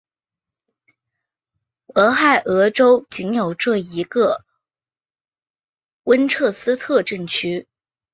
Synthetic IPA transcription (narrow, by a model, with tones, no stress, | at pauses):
ɤ˧˥xa˥˩ɪʔɤ˧˥ʈ͡ʂo˥ʊt͡ɕi˧˥ŋjo˨˩ʊʈ͡ʂɤ˥˩i˧˥ɡə˧ | wə˥nʈ͡ʂʰɤ˥˩sɹ̩˥t̪ʰɤ˥˧ʈ͡ʂə˥˩ŋt͡ɕʰy˥